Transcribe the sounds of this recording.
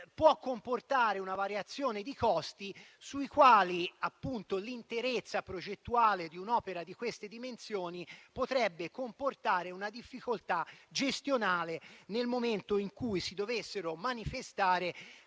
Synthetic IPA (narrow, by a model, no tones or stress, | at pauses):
pwɔkːomport̪aːɾeunavaɾjat̪sːjoːned̪ikɔst̪isuikwaːliapːunt̪olint̪eɾet̪sːapɾod͡ʒet̪ːuaːled̪iunɔːpeɾad̪ikwest̪ed̪imensjoːnipot̪ɾɛbːekomport̪aːɾeunad̪ifːikolt̪ad͡ʒest̪jonaːlenelmoment̪oiŋkujsid̪ovesːeɾomanifest̪aːɾe